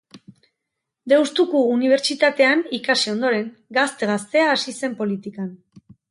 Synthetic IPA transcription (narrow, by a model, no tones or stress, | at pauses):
d̪e̞wst̪ukuːniβ̞e̞ɾt͡ʃit̪at̪e̞anikasio̞nd̪o̞ɾe̞ŋ | ɡast̪e̞ɣast̪e̞aːsise̞mpo̞lit̪ikan